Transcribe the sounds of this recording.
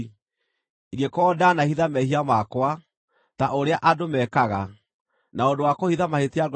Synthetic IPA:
iɡekɔːdanahiðamɛhiamakwa | taʔoɾeaʔadomɛkaɣa | naondowakohiðamahetiaɡ

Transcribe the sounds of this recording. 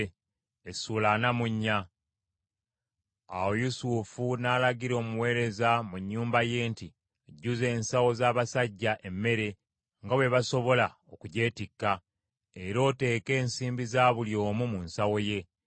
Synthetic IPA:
esulanamuɲːa | a̰wojusufunalaɡiɾo̞ːmuwe̞ːɾe̞zamuɲːuːmbaje̞ːnti | ɟːuze̞ːnsawo̞zaːβasaɟːaʔe̞mːe̞ɾe̞ | ŋɡaβwe̞βaso̞βo̞lao̞kuɟe̞ːtikːa | e̞ɾo̞ːte̞ːke̞ːnsiːmbizaːβuljo̞ːmumunsawo̞je̞

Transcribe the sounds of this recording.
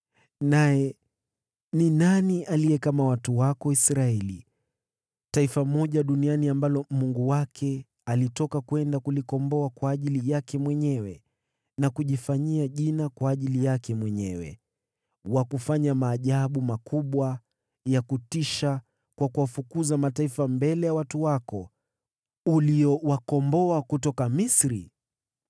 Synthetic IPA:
najɛ | ninaniʔalijɛkamawatuwakɔisɾaɛli | taifamɔʄaɗunianiambalɔmuŋɡuwakʰɛ | alitɔkakwɛndakulikɔmbɔakwaːʄilijakɛmwɛɲɛwɛ | nakuʄifaɲiaʄinakwaːʄilijakɛmwɛɲɛwɛ̰ | wakufaɲamaːʄaɓumakʰuɓwa | jakutiʃa | kwakuwafukuzamataifambɛlɛjawatuwakɔ | uliɔwakɔmbɔakutɔkamisɾḭ

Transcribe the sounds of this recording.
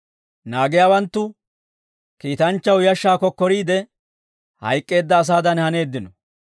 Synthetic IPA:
naːɡɪjaːwɐnt̪ːʊ | kiːt̪ɐnt͡ʃːɐwjɐʃːaːkɔkːɔɾiːd̪ɛ | hɐ̰jkʼːe̞ːd̪ːɐːs̬aːd̪ɐnhɐne̞ːd̪ːɪnɔ

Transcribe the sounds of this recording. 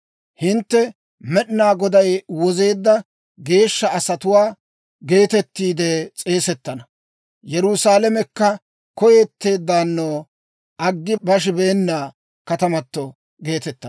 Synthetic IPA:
hɪnt̪ːɛ | mɛɗnaːɡɔd̪ɐjwɔze̞ːd̪ːɐ | ɡe̞ːʃːɐɐsɐt̪ʊwaː | ɡe̞ːt̪ɛt̪ːiːd̪ɛt͡sʼe̞ːsɛt̪ːɐnɐ | jɛɾʊsaːlɐmɛkːɐ | kɔjeːt̪ːe̞ːd̪ːaːnːoː | ʔɐɡːɪbɐʃ̬ɪbe̞ːnːaː | kɐt̪ɐmɐt̪ːɔ | ɡe̞ːt̪ɛt̪ːɐ

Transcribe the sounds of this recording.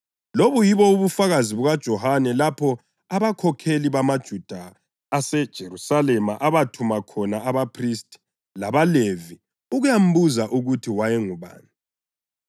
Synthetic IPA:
loβujiβɔuβufaɣaziβuɣad̥ʒ̥ʱɔhanɛlapʰɔ | aβakʰɔkʰeliβamad̥ʒ̥ʱud̥ʱaː | sɛd̥ʒ̥ʱerusalɛmaʔaβatʰumakʰɔnaːβapʰristʰʼi̥ | laβalevi | uɣujam̩buzaʔuɣutʰiwajɛŋuβa̰ːni

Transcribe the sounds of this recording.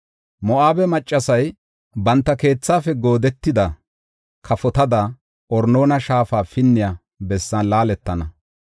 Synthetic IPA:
mɔʔaːbɛmɐt͡ʃʼːɐsɐj | bɐnt̪ːɐke̞ːt͡sːaːfɛɡo̞ːd̪ɛt̪ːɪd̪ɐ | kʰɐfɔt̪ɐd̪ɐ | ʔɔɾno̞ːnɐʃaːfaːfɪnːɪjaː | bɛsːɐnlaːlɛt̪ːɐnɐ

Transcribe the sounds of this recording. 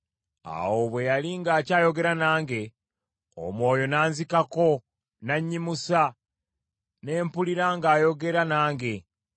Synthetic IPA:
a̰wo̞βwe̞jaliŋɡaːcaːjo̞ɡe̞ɾanaːŋɡe̞ | o̰mwo̞ːjo̞naːnzikako̞ | naɲːimusa | ne̞ːmpuliɾaŋɡaːjo̞ɡe̞ɾanaːŋɡe̞

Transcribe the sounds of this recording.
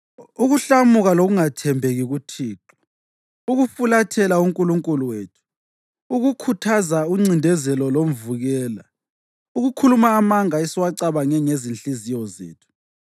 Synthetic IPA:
uɣuɬamuɣaloɣuŋatʰɛmbʱeɣiɣutʰiːǁɔ̥ | uɣufulatʰɛlauŋkʼuluŋkʼuluweːtʰu̥ | uɣukʰutʰazauŋ͡ǀindʱɛzɛlɔlom̩vuɣɛːla̰ | uɣukʰulumaːmaŋaesiwaǀaβaŋɛŋezinɬʼizijɔzḛːtʰu̥

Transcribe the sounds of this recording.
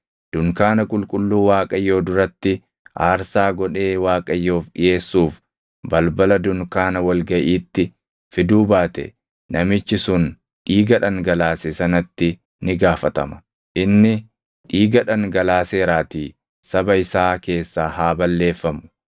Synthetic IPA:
d̪̥ʊŋkaːnɐkʼʊlkʼʊlːuːwaːkʼɐjːo̞ːd̪ʊɾɐt̪ːɪ | ʔaːɾsaːɡɔᶑe̞ːwaːkʼɐjːo̞ːfɗɪje̞ːsːuːf | bɐlbɐlɐd̪ʊŋkaːnɐwɐlɡɐʔiːt̪ːɪ | fɪd̪uːbaːt̪ɛ̰ | nɐmɪt͡ʃːɪsʊn | ʔiːɡɐᶑɐŋɡɐlaːsɛsɐnɐt̪ːɪ | nɪɡaːfɐt̪ɐ̰mɐ̥ | ʔɪnːɪ | ʔiːɡɐᶑɐŋɡɐlaːseːɾaːt̪iː | sɐbɐɪsaːke̞ːsːaːhaːbɐlːe̞ːfːɐmʊ̥

